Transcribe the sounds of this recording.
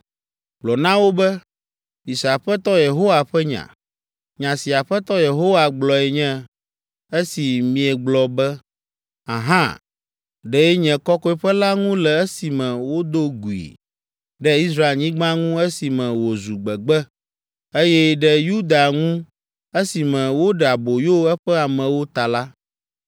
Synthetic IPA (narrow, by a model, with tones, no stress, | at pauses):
ɡ͡blɔ˨nã˦wo˦bɛ˦ | i˨sa˨ɸɛ˦t̪ɔ˦je˨ɦo˦wa˨ɸɛ˦ɲã̰˨ | ɲã˨si˨a˨ɸɛ˦t̪ɔ˦je˨ɦo˦wa˨ɡ͡blɔ˨ɛ˨ɲɛ̃˦ | e˦si˨mĩ˨ɛ˨ɡ͡blɔ˨bɛ˦ | a̰˨ɦã̰˦ | ɖɛ˨ɛ˦ɲɛ̃˨kɔ˦kɔ˦ɛ˦ɸɛ˦la˦ŋũ˦lɛ˨e˦si˨mɛ̃˨wo˦d̪o˦ɡu˨ḭ˨ | ɖɛ˦i˦s̬ɾa˦e˨lɲĩ˦ɡ͡bã˦ŋũ˦e˦si˨mɛ̃˨wo˨zu˨ɡ͡bɛ˨ɡ͡bɛ˦ | e˦jɛ˦ɖɛ˦ju˦d̪a˨ŋũ˦ | e˦si˨mɛ̃˨wo˦ɖɛ˨a˨bo˨jo˦ɛ˦ɸɛ˦a˨mɛ̃˨wo˦t̪a˨la˦